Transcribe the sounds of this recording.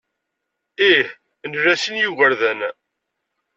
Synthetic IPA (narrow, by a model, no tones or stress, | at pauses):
ih | nɾæsənjuʝəɾðæn